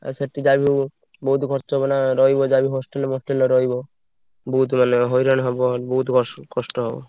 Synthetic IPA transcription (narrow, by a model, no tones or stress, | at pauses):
a̰seʈid͡ʑabʱiw | bout̪ɡʱɔɾt͡ʃɔɦɔbonaɾɔjbod͡ʑabiɦɔsʈelmosʈeloɾɔjbo | buut̪maneɦojɾanɦɔbobout̪kɔkɔʃʈɔɦɔbo̰